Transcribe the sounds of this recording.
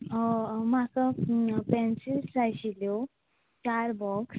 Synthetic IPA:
makəpɛ̃nsilt͡sajɕiljɔ | t͡ɕaɾbɔks

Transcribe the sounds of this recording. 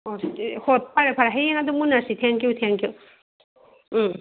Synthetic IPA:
ohot̚paɾapʰaɾaɦajeŋadumunasitʰeŋkjutʰeŋkju

